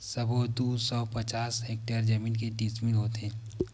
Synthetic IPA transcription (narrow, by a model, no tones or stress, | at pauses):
səbʱod̪uːsɔːpɐt͡ʃaːsɦek̚ʈəɾd͡ʒəmĩːnkeɖismɪnɦoːt̪eː